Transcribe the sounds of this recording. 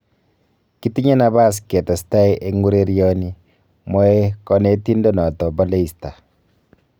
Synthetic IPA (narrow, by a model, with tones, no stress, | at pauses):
ki˦ti˦ɲa˦na˨βa˦˨s̬kɛ˨ta˨si̥ta˦i˦ʔe˦ŋu˦ɾe˦ɾjɔ˦ni˦ | mɔ˦e˦kɔ˦ne˦ti˦ndɔ˦nɔ˨tɔ˨bɔ˦le˦i˨sta˨